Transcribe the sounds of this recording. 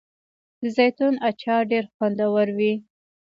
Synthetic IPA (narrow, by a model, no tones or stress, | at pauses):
d̪̥əzajt̪unat͡ʃɑɖeɾxwand̪awaɾwi